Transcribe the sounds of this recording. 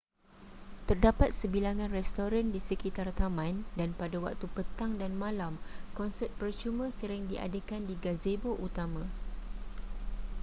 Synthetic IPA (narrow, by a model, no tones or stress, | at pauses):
t̪ərdapat̪̚səbilaŋãnrɛst̪oɾandisəkit̪art̪amãndanpadawa̰k̚t̪upət̪aŋdanmãlamkɔnsɛt̪̚pərt͡ʃumə̃səɾɪŋdiʔa̰dekandiɡazeboʔut̪amã